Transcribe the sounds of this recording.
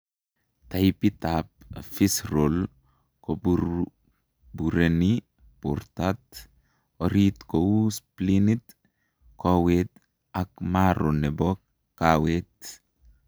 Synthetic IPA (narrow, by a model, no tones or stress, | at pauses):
t̪ajpit̪ap̚fisɾol | kobuɾ | buɾeni | po̰ɾt̪at̪ | oɾit̪kousplinit̪ | kowet̪ | akmaɾonɛbo | kawet̪